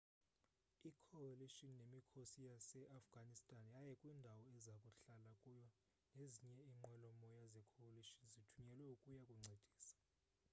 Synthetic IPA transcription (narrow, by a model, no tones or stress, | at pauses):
ikʰɔaliʃɔnnemikʰosijasɛʔafɡ̥ʱanistʼanjajɛkʼwiːndʱawɔɛzakʼuɬalakʼujɔ | neziɲɛiŋ͡ǃwɛlɔmɔjazɛkʰɔwaliʃɔnzitʰuɲɛlwɛukʼujakʼuŋ͡ǀʱed̥ʱi̥ːsḁ